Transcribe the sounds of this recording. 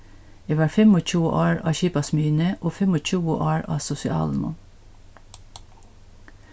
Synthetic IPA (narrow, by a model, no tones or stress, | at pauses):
ɛːʋɑːɹfɛmoːc͡çʰuːʔɑːɹɑ̰ːçiːpɑsmyːnəʔoːfɛmɔc͡çuːəʔɑːɹɑ̰ːsʊsɪɑ̰ːlmʊ̰n